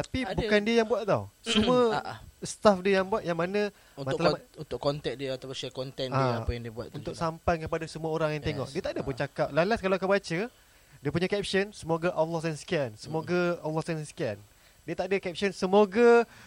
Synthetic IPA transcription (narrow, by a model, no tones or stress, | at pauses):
t̪apibukandiəjaŋbuat̪̚t̪a̰wsəmuəst̪afdiəjaŋbuat̪̚jaŋmanə̃ | umaalamunt̪ʊkːɔnt̪ɛt̪̚diəat̪apʊʃɛkɔnt̪ɛnaapəjaŋdiəbua̰t̪unt̪ʊksampajkəpadasəmuaoɾaŋjaŋt̪eŋɔ̰ʔ̚diət̪aʔdapənt͡ʃakap̚lalaskalaoakabat͡ʃə | diəpuɲãkɛp̚sənsəmoɡaʔalːɔhsanskɛnsəmoɡaalːɔsdannskɛn | diət̪aʔdəkɛp̚sənsəmoɡa